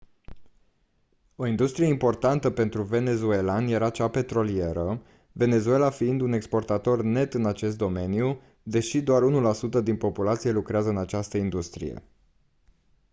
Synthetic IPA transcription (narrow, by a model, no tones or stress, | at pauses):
o̞ind̪ust̪ɾieimpo̞rt̪ant̪əpe̞nt̪ɾuve̞ne̞zue̞lanjeɾat͡ʃape̞t̪ɾo̞lie̞ɾə | ve̞ne̞zue̞lafiind̪une̞kspo̞rt̪at̪o̞rne̞t̪ɨnat͡ʃe̞st̪d̪ome̞niu | d̪e̞ʃid̪oaɾunulasut̪əd̪inpo̞pulat̪sije̞lukɾeazəɨnat͡ʃast̪əind̪ust̪ɾḭjḛ